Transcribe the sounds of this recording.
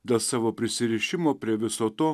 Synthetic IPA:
d̪ɐsɐʋopɾʲɪsʲɪɾʲiʃʲɪmopʲɾʲɪɛʋʲɪsot̪oː

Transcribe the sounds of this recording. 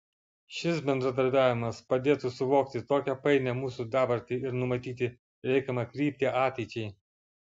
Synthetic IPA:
ʃʲɪs̬bʲɛnd̪ɾɐd̪ɐɾʲbʲæːʋʲɪmɐspɐd̪ʲeːt̪usʊʋoːkt̪ʲɪt̪oːkʲɛpɐɪnʲɛmuːsud̪ɑːbɐɾʲt̪ʲiɪɾnʊmɐt̪ʲiːt̪ʲɪ | ɾʲɛɪkɐmɐkɾʲiːpʲt̪ʲɪʔɑːt̪ʲɛɪt͡ʃʲɛɪ

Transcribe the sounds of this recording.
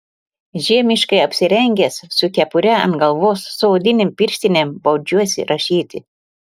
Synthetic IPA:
ʒʲiɛmʲɪʃkɐɪɐpʲsʲɪɾʲɛŋʲɡʲessʊkʲɛpʊɾʲɛɐ̰nt̪ɡɐlˠʋoːsːoːd̪ʲɪnʲempʲɪɾʲʃʲt̪ʲɪnʲembɐʊd͡ʒʲuɔsʲɪ̰ɾʔɐʃʲiːt̪ʲɪ

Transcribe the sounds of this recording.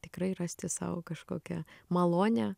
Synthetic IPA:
t̪ʲɪkɾɐɪrɑsʲt̪ʲɪsɑ̰ːʋo̰kɐʃko̰ːkʲɛmɐlˠoːnʲɛ

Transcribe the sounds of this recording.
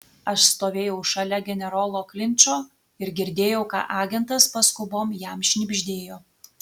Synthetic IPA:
ɐʃst̪oːʋʲeːjɛʊʃɐlʲɛɡʲɛnʲɛɾoːlˠoːklʲɪnʲˑt͡ʃoː | ɪɾɡʲɪɾʲd̪ʲeːjɛʊkɑ̰ːʔɑːɡʲɛnt̪ɐspɐskʊboːmjɛmʃʲnʲɪbʲʒʲd̪ʲeːjoː

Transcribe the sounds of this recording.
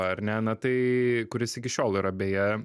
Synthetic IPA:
ɐɐɾʲnʲɛnɐt̪ɐɪkʊɾʲɪsɪkʲɪʃʲoːlˠiːɾɐbʲeːjɛ

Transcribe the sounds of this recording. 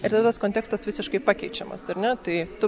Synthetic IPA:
ɪɾt̪ɐd̪t̪ɐskoːnt̪ʲæːkst̪ɐsʋʲɪsʲɪʃkɐɪpɑːkʲɛɪt͡ʃʲɛmɐ̰sɐɾnʲɛt̪ɐɪt̪ʊ

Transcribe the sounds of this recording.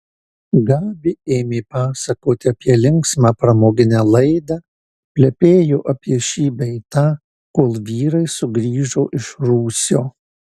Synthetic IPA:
ɡɑːbʲɪeːmʲeːpɑːsɐkoːt̪ʲɪɐpʲiɛlʲɪŋksmɑːpɾɐmoːɡʲɪnʲæːlˠɐɪd̪ɑː | pʲlʲɛpʲeːjoːʔɐpʲiɛʃʲiːbʲɛɪt̪ɑː | koːlˠʋʲiːɾɐɪsʊɡɾʲiːʒoːʔɪʃɾuːsʲoː

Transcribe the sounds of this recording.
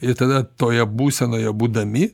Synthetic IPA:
ɪɾt̪ɐd̪ɐt̪oːjɛbuːsʲɛnoːjɛbuːd̪ɐmʲɪ

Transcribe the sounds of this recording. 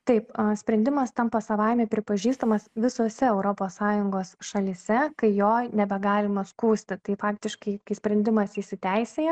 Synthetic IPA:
t̪ɐɪpɐsʲpʲɾʲɛnʲd̪ʲɪmɐst̪ɐmpɐsɐʋɐɪmʲɛpʲɾʲɪpɐʒʲiːst̪ɐmɐsʋʲɪsoːsʲɛɛʊɾoːpoːssɑːjʊŋɡoːsʃɐlʲisʲɛkɐɪjoːnʲɛbʲɛɡɑːlʲɪmɐskuːsʲt̪ʲɪt̪ɐɪfɑːkt̪ʲɪʃkɐɪkɐɪsʲpʲɾʲɛnʲd̪ʲɪmɐsiːʃʲsʲɪt̪ʲæɪsʲeːjɛ

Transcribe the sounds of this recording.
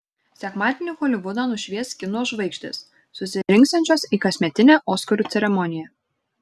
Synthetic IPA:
sʲɛkmɑːt̪ʲɪnʲɪxɔlʲɪʋʊd̪ɑnʊʃʲʋʲiɛskʲɪnoːʒʋɐɪkʒʲt̪ʲɪ̰sː | ʊsʲɪɾʲɪŋkst̪ɐnʲt͡ʃʲoːsiːkɐsʲmʲɛt̪ʲɪnʲeːʔɔːskɔɾʲuːt̪sʲɛɾʲɛmɔnʲɪjɛː

